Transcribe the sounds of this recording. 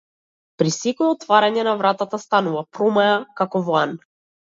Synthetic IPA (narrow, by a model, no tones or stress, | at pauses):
pɾisikɛɔt̪vaɾaɲɛnavɾat̪at̪ast̪anuvapɾɔmajakakɔvan